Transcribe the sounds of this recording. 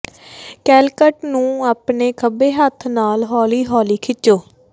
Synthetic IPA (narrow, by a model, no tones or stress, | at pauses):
kɛːlkəʈnũːaːpneːkʰəbeːɦət̪ʰnaːlɦɔːliːɦɔːliːkʰɪt͡ʃːoː